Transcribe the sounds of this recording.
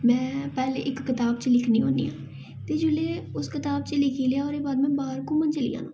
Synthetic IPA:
mɛ̃ːpɛːlḛːʔɪkːɪt̪aːbt͡ʃəlɪkʰniːɦoːnd̪ḭːɦã̰ː | t̪eːd͡ʒʊleːʊskɪt̪aːbt͡ʃəlɪkʰiːleaːɔːɾeːbaːd̪mɛ̃ːbaːəɾkõːmənt͡ʃəlḭːã̰ːnõ̰ː

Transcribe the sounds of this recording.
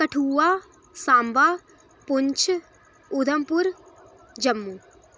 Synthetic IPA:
kɐʈʰuːaː | sãːmbaː | pʊɲt͡ʃʰ | ud̪ʱəmpʊɾ | d͡ʒɐmːu

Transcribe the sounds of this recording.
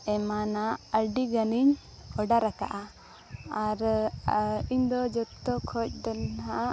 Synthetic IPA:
ɛmanaəɾɖiɡaniɲ | ɔɖaɾaka̰ʔa | aɾ | iɲd̪ɔd͡ʒɔt̪ːɔkʰɔc̚ˀd̪ɛnɦa

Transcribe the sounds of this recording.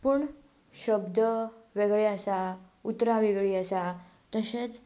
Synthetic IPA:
puɳ | ɕəbd̪ʱəʋeɡɭeəsa | ut̪ɾaʋeɡɭiəsa | t̪əɕet͡s

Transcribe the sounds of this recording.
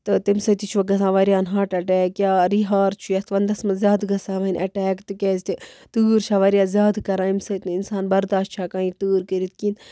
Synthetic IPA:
t̪ɨt̪imsɐt̪it͡ʃʰuʋɐɡɐs̬ãːʋɐɾjaːnɦaːʈɐʈɛːkjaːɾiːɦaːɾt͡ʃʰujɐst̪ʰʋɐnd̪ɐsmɐzjaːd̪ɡɐsãːʋɐinʲʔɐʈɛːkt̪ɨkʲɛːzʲt̪it̪uːɾt͡ʃʰaːʋɐɾijaːzjaːd̪kɐɾãːimsɐt̪nɨinsaːnbɐɾd̪aːʃt̪̚t͡ʃʰaːkãːit̪uːɾkəɾit̪kiːn

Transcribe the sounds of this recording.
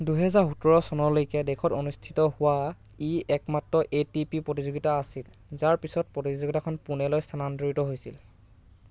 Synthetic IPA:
duɦɛzaɹxutɔɹɔsɔnɔɹlojkɛdɛkʰɔtonustʰi̥tɔhʊwa | iɛkmatɹɔʔetipipɹotizoɡitaːsil | zaɹpisɔt̚pɹotizzoɡitakʰɔnpunɛlojstʰanandoɹitɔɦojsil

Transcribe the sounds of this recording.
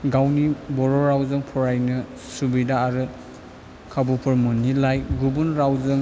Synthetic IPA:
ɡawnibɔɾɔɾawzɯŋpʰɔɾajnɯ | subidaːɾɯ | kʰabupʰɯɾmunilajɡubunɾawzɯŋ

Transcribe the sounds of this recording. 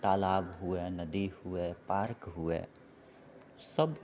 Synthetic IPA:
t̪aːlaːbɦuenəd̪ihuepaːɾkɦuḛː | səb

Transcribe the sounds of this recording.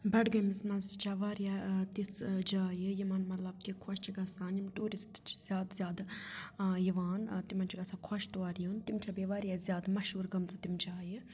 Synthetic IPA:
bɐɖɡɐmismɐnzt͡ʃaʋaːɾjat̪isd͡ʒaːjijimɐnmɐt̪lɐb̚t̪ikʰɔʃt͡ʃiɡaːsaːnjimʈuːɾist̪t͡ʃi̥z̥ʲjaːd̪zʲjaːd̪ | jiʋaːnt̪imɐnt͡ʃʰiɡasaːkʰɔʃt̪ʋaːɾjunt̪imt͡ʃʰabeʋaːɾjazʲjaːd̪mɐʃɦuːɾɡɐmzɨt̪imt͡ʃaːji

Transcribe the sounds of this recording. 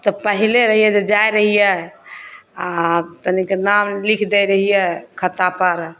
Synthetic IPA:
t̪ɔpəɦileɾəɦijɛd͡ʒed͡ʒajɾəɦijɛ | at̪ənikenamlikʰd̪ɛjɾəɦijɛkʰət̪apəɾ

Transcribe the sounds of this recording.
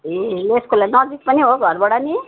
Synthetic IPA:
ileskulanʌd͡zik̚pʌniɦoɡʱʌɾbɔɽani

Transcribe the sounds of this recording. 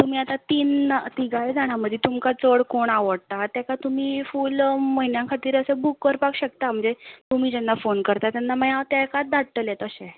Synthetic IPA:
t̪um̤iːat̪at̪iːnt̪iɡajd͡zaɽ̃aməd̪ʱːjet̪umkat͡səɽkoɳaʋəɽt̪at̪ɛkat̪umiːfulməɦinjãkʰat̪iːɾəsebukːəɾpakɕək̚t̪am̤əɳd͡zet̪um̤iːd͡ʑɛnːafonkəɾt̪at̪janːaməjat̪jɛkat̪̚d̪aɽt̪əljɛt̪əɕe

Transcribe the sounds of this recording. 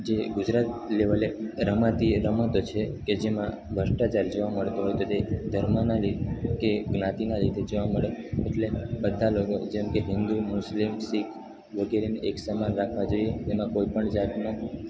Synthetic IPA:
d͡ʒeɡud͡ʒɾat̪̚leʋəleɾəmãt̪iɾəmət̪ot͡ʃʰeked͡ʒemã | bʱəʂʈat͡ʃaɾd͡ʒoʋaməɭt̪oɦɔjt̪ot̪ed̪ʱəɾmanalikeɡnãt̪inaɾit̪ʰed͡ʒoʋaməɭeeʈlebəd̪ʱːaloko̰d͡ʒɛmkeɦɪ̃nd̪umʊslimsikʰ | ʋəɡeɾeneʔeksəmanɾakʰʋad͡ʒojet̪emãkoipəɳd͡ʒat̪no

